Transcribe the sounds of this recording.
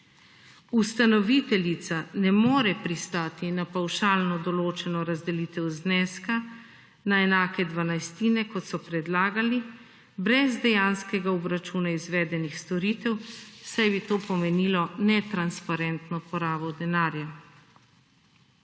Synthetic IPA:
ust̪anɔʋit̪ɛlit̪sanɛmoːɾɛpɾist̪aːt̪inapawʃaːlnɔd̪ɔloːt͡ʃɛnɔɾazd̪ɛliːt̪ɛwznɛːska | naɛnaːkɛd̪ʋanajst̪iːnɛkɔt̪sɔpɾɛd̪laːɡali | bɾɛzd̪ɛjanskɛɡaɔbɾat͡ʃuːnaizʋɛːd̪ɛnixst̪ɔɾiːt̪ɛwsajbit̪oːpɔmɛniːlɔnɛt̪ɾanspaɾɛnt̪nɔpɔɾaːbɔd̪ɛnaːɾja

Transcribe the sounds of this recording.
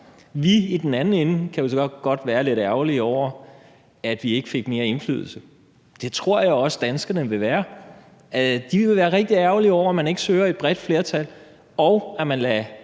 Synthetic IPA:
ʋiid̥en̩ænn̩enkʰæjo̝sɡ̥ɒ̥̽ɡ̥ɒ̽d̥ʋæːɐle̝ɾ̥æɐʊliɒʊ̰ɐ | æd̥ʋie̝ɡ̥əfe̝ɡ̥me̝ːɐe̝nfly̰ːðˠl̩sə | d̥e̝t͡sʰʁo̝ɐ̰jäɒ̽sd̥ænsɡ̥ɐnəʋe̝ʋæːɐ | æd̥iʋee̝ʋæːɐʁeɡ̥d̥iæɐʊliɒʊ̰ɐæmæne̝ɡ̥əsøːɐe̝d̥̚b̥ʁɛd̥fle̝ːɐt͡sʰæl | ɒ̽ʊæmænlæ

